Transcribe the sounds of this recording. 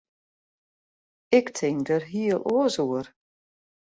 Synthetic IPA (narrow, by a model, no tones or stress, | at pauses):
ɪktʰɪŋdərɦiəlˠoəzoər